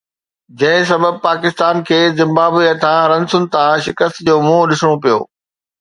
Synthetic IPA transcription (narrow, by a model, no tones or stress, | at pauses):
d͡ʑɐ̃ɦɪ̃s̬ɐbəb̚paːkɪst̪aːnkʰeːzɪ̃mbaːbiət̪ʰãɾɐ̃nsʊnɪ̆t̪ʰãʃɪkəst̪d͡ʑoːmõɗɪsɽ̃opijo̰ː